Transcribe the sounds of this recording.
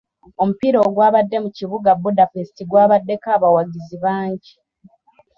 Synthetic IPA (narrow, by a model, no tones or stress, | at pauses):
o̞mupiɾo̞ːɡwaːβadːe̞muciβuɡabudafesitiɡwaːβadːe̞kaːβawaɟiziβaːɲɟi